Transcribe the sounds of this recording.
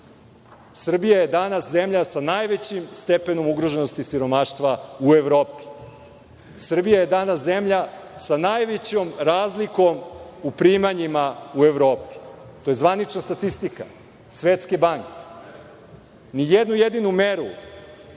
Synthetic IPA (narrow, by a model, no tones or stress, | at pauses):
sr̩bijaje̞d̪anaszemʎasanajʋet͡ɕimst̪e̞pe̞no̞muɡɾo̞ʒe̞nost̪isiɾo̞maʃt̪ʋaue̞ʋɾo̞ːpi̥ | sr̩bijaje̞d̪anaszemʎasanajʋet͡ɕo̞mɾaːzliko̞mupɾiːmaɲimaue̞ʋɾo̞ːpi̥ | t̪o̞je̞zʋanit͡ʃnast̪at̪ist̪ika̰ | sʋet̪skebaŋke̥ | nijed̪nujed̪inume̞ɾu